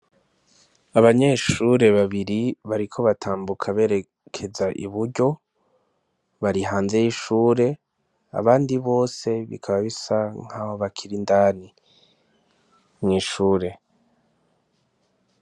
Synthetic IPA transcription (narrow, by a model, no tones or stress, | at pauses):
aβaɲeʃuːɾe̞βaβiɾiβaɾikʰo̞βatʰaːmbukʰaβe̞ːɾe | kʰe̞zaʔḭβuɾɟo̞ | βaɾiɦaːnze̞jiʃuːɾe̞ | a̰βaːndiβo̞ːse̞βḭkʰaβaβisaŋ̥hahoβakʰiɾindaːni | mŋiːʃuːɾe̞